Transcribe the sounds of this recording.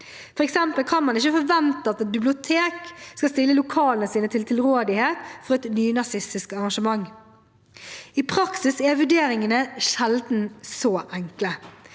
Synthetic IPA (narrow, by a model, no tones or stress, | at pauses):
fɔʁɛksɛmpəlkʰɑnmɑnɪçəfɔɾʋɛnt̪əɑt̪ɛt̪bɪblɪʊt̪ʰeːkskɑst̪ɪlːəlʊkʰɑːlənəsiːnət̪ʰɪlt̪ʰɪlɾoːd̪ɪheːt̪fɔʁɛt̪nyːnɑsɪst̪ɪskɑʁɑnʃəmɑŋː | ipʰɾɑksɪsɛʋʉɖeːɾɪŋənəʃɛld̪n̩sɔːʔæŋklə